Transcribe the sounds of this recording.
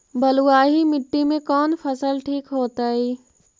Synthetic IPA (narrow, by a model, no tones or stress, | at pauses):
bɐluaːɦimɪʈːimẽkɔːnfʰɐsəlʈʰiːkɦoːt̪aːɦiː